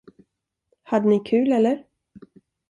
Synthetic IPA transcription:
had̪ːənɪkʰʉ̟ːlɛlːəɾ

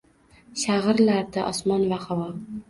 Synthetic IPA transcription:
ʃaʁɨɾlaɾd̪aʔɒsmɒnvahavɒ

